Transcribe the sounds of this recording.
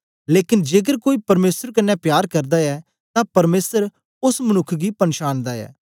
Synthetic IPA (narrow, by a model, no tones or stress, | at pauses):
leːkɪnd͡ʒeːɡəɾkoːiːpɐɾmeːsəɾkɐnːɛpjaːɾkɐɾd̪aɛː | t̪ãpɐɾmeːsəɾ | ʊsmənʊkʰːɡipɐnʃaːnd̪aɛ̰ː